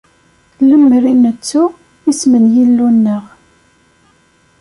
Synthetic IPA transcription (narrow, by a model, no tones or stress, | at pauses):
ləmːɾinət͡sːu | ismənjilːunːəʁ